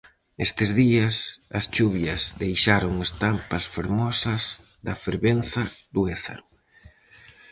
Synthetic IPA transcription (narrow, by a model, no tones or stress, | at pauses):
est̪ɪzðiɐsɐst͡ʃuβjɐzðejʃaɾoŋest̪ampɐsfeɾmɔsɐs | ðɐfeɾβenθɐðʊeθa̰ɾʊ